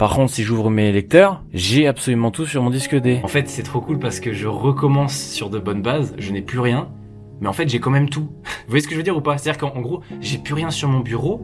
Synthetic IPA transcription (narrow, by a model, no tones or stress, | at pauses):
paʁkɔ̃t̪χsiʒuvʁəmelɛk̚t̪œʁ | ʒɛapsɔlymɑ̃t̪usyʁmɔ̃d̪iskəd̪eɑ̃fɛt̪sɛt̪χokulpaʁsə̥kəʒəʁəkɔmɑ̃sːyʁd̪əbɔnbazʒənɛplyʁjɛ̃ | mɛɑ̃fɛt̪ʒɛkɑ̃mɛmt̪uvwajɛsə̥kəʒəvød̪iʁupaset̪ad̪iʁkɑ̃ɡʁoʒɛplyʁjɛ̃syʁmɔ̃byʁo